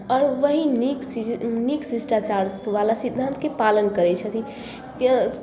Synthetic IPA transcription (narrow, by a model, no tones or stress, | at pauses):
ɔɾʋəɦinikniksisʈat͡ʃaɾʋalasid̪ʱːant̪kepalənkəɾɛt͡ʃʰət̪ʰi | k